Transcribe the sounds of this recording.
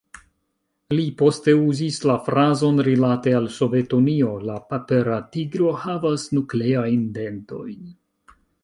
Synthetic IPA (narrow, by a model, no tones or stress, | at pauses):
lipo̞ste̞uzislafɾazo̞nɾilate̞also̞ve̞tonio̞lapapeɾatiɡɾo̞havasnukle̞ajnde̞nto̞̰jn